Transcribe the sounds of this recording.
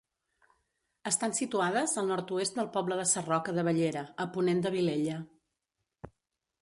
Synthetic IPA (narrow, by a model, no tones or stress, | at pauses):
əst̪ansit̪uað̞əzəlˠnɔɾt̪uest̪̚d̪əlˠpɔbləðəsərɔkəðəβəʎeɾəəpunend̪əβileʎə